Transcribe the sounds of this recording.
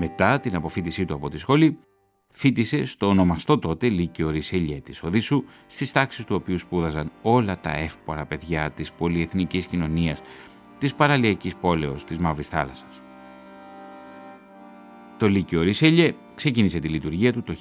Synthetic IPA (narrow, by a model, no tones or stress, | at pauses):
me̞t̪ɐt̪inɐpo̞fit̪isit̪uɐpo̞t̪isxo̞li | fit̪ise̞st̪o̞ːno̞mɐst̪o̞t̪o̞t̪e̞licio̞ɾiseʎe̞t̪iso̞ðisu | st̪ist̪ɐksi̥st̪uo̞piuspuðɐzɐno̞lɐt̪ɐ̰e̞fpo̞ɾɐpe̞ðʝɐt̪ispo̞lie̞θniciscino̞niɐs | t̪ispɐɾɐliɐcispo̞le̞o̞st̪izmɐvɾisθɐ̰lɐsɐ̥s | t̪o̞liceoɾiseʎe̞ | kse̞cinise̞t̪ilit̪uɾʝiɐt̪ut̪o̞